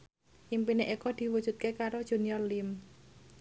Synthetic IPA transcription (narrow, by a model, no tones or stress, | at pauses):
impineʔikɔd̪̥i̤wud̥ʒ̥ṳt̪̚kekaɾod̥ʒ̥ṳniɔrlim